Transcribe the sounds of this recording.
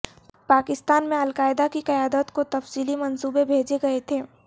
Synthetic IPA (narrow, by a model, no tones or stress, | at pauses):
paːkɪst̪aːnmẽɐlkaːɪd̪akiqɐjaːd̪ət̪kot̪ɐfsiːlimɐnsuːbebʱeːd͡ʒeɡɐet̪ʰeː